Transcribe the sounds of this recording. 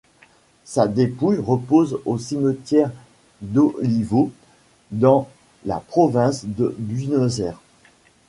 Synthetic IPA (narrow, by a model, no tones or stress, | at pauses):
sad̪epujʁəpozosimət̪jɛʁ | d̪ɔlivo | d̪ɑ̃ | la̰pχɔvɛ̃sd̪əbynozɛʁ